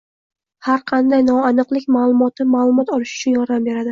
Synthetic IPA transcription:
haɾqʰɑnd̪ajnɒanɨqlˠɪkʲmalˠʊmɒt̪ʰɪmalˠʊmɒt̪ɒlɪʃʊ̥t͡ʃʰʊnjɒɾd̪ambe̞ɾad̪ɪ

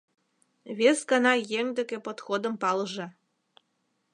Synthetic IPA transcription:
βesɡɑnɑjeŋd̪ekepot̪xod̪əmpɑləʒɑ

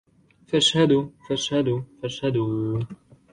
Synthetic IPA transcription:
faʃhad̪ʊfaʃhad̪ʊfaʃhad̪

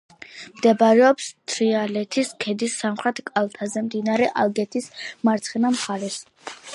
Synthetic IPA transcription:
md̪̥ɛbaɾɛɔpst̪ʰɾialɛt̪ʰiskʰɛd̪isːamχɾɛt̪ʰkʼalˠt̪ʰazɛmd̪inaɾɛʔalˠɡɛt̪ʰismaɾt̪sʰχɛnamχaɾɛs

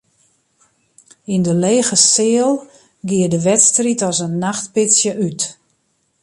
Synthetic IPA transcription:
indəleːɣəsɪəlˠ | ɡɪːədəʋɛtstritɔsənːaxtpɪsjəʔyt

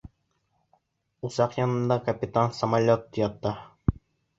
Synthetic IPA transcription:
usɑqjɒnɤ̆nd̪ɑkɐpʲit̪ansɐmalʲot̪jɑt̪ːɑ

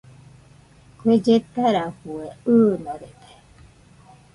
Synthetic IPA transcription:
kʷed͡ʒet̪aɾahueɯːnaɾet̪e̥

